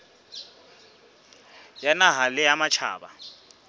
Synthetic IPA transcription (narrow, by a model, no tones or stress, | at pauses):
janaɦalɪamat͡ʃʰa̰ːɓa̰